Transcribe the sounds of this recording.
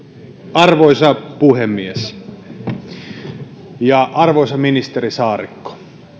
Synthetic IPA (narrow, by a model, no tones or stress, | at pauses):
ɑrʋoisɑpuhemːies | jɑʔɑrʋoisɑminist̪erisɑːrikːo̥